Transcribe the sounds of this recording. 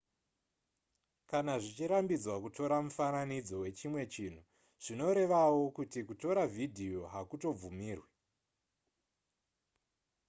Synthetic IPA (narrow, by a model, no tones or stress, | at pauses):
kanaʐit͡ʃiɾambid͡zwakuto̞ɾamufananid͡zo̞we̞t͡ʃimwe̞t͡ʃin̤u | ʐ̥ino̞ɾe̞ʋawo̞kutikuto̞ɾavʱidʱio̞ɦakuto̞b͡vumiːrwe